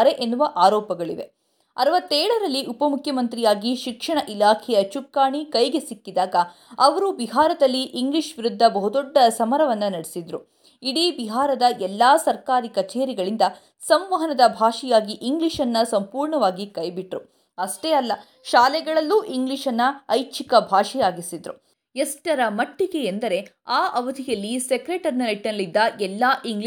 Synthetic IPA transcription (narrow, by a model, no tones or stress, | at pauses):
ɾeʔenːuʋɐʔaːɾɔːpɐɡɐɭiʋe̞̰ | ɐɾʋɐt̪ːɛːɭɐɾɐlːiʔupɐmukʰjɐmɐnt̪ɾijaːɡiʃikʂɐɳɐʔilaːkʰɛjɐt͡ʃukːaːɳikɐjɡe̞sikːid̪aːɡɐ | ɐʋɐɾubiɦaːɾɐd̪ɐlːiʔːŋɡliʂʋiɾud̪ʱːɐbɐɦud̪ɔɖːɐsɐmɐɾɐʋɐnːɐnɐɽesid̪ɾu | iɽiːbiɦaːɾɐd̪ɐʔɛlːaːsɐɾkaːɾikɐt͡ʃeːɾiɡɐɭind̪ɐ | sɐmʋɐɦɐnɐd̪ɐbʱaːʃijaːɡiʔiŋɡliʃɐnːɐsɐmpuːɾɳɐʋaːɡikɐjbiʈɾu | ɐʂʈeːɐlːɐ | ʃaːlɛɡɐɭɐlːuːʔiŋɡliʂɐnːɐɐjt͡ʃʰikɐbʱaːʂijaːɡisid̪ɾṵ | esʈɐɾɐmɐʈːiɡe̞ːnd̪ɐɾe̞aːʔɐʋɐd̪ʱijɐlːisekɾeːʈɐɾnɐneʈːinɐlid̪ːɐʔɛlːaːʔiŋɡɭi